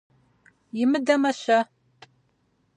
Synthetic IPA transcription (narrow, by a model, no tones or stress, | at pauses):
jɪmɨdɐmɐɕɐ